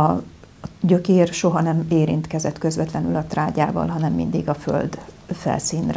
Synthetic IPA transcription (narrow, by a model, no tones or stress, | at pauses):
ɒ | ɟø̞keːrʃo̞ɦɒnɛmeːɾḭnt̪kɛzɛt̪kø̞zʋɛt̪lɛnylɒt̪raːɟaːvɒ̰lɦɒnɛmːḭnd̪iɡɒfø̰ld̪fɛ̰lsiːnr